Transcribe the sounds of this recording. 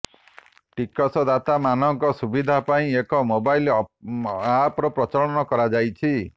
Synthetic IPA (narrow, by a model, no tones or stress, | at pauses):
ʈikɔsɔd̪at̪amanɔŋkɔsubid̪ʱapaĩekɔmobajl | apɾɔpɾɔt͡ʃɔɭɔnɔkɔɾad͡ʒajt͡ʃʰi